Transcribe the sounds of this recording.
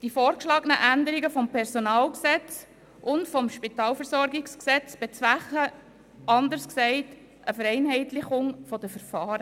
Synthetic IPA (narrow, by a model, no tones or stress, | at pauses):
d̥ifoːɾkʃlɑːɡənə̰ʔænd̪əɾiɡəfɔmpʰɛɾzɔnɑːlksɛt͡s | ʔʊntfɔmʃpit̪ɑːlfəɾsɔɾɡiksksɛt͡sb̥et͡sʋæχə | ɑnd̪əɾsksɛɪt | ʔəfəɾɛɪnɦɛɪtlɪχʊŋfɔd̪əfəɾfɑːɾə